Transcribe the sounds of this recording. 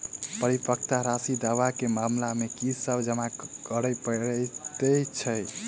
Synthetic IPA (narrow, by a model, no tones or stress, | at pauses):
pəɾipək̚t̪aɾasid̪aʋakemamlamekisəbd͡ʒəmakəɾəpəɾət̪ət͡ʃʰəj